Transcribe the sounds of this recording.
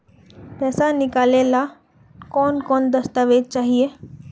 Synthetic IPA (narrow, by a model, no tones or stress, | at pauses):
pɛːsanɪkaːlela | kɔːnkɔːnd̪ɐst̪aʋeːd̪̚t͡ʃaːɦieː